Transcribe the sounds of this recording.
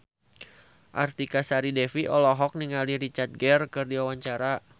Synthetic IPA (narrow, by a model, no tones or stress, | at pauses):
ʔa̰rt̪ikasaɾidɛfiʔɔlɔɦɔk̚niŋaliɾit͡ʃart̪̚ɡɛrkɨrdiwawaɲt͡ʃaɾa